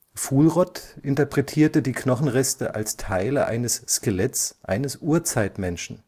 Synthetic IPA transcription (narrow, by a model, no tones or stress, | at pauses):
fuːlʁɔtʔɪntɐpʁ̥ɛtʰiːɐtədiːknɔχn̩ʁɛstəʔa̰lstʰaɪləʔa̰ɪnəsːkelɛtsʔa̰ɪnəsʔuːɐt͡saɪtmɛnʃn̩